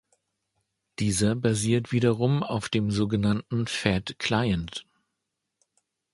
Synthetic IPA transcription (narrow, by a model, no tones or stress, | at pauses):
d̥iːzɐbaziːɐtv̥iːɾɐʁʊma̰ʊfd̥eːmzoːɡənantn̩fɛtkʰl̥aɪənt